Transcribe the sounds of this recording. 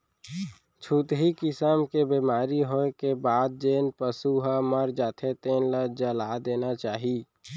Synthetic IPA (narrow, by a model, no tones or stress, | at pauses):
t͡ʃʰuːt̪ɦikɪsəmkebimaːɾiɦoːekebaːd̪̚d͡ʒeːnpəsuɦaməɾd͡ʒaːt̪ʰet̪eːnləd͡ʒəlaːd̪eːnat͡ʃaːɦi